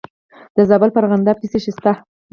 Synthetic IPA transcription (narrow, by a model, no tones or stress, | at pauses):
d̪̥əzɑbəlpəɾɣand̪ap̚kiseʃist̪a